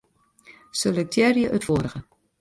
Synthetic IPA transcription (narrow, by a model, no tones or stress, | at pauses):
sølək̚tʰjɛrjəʔətfoːɾəɣə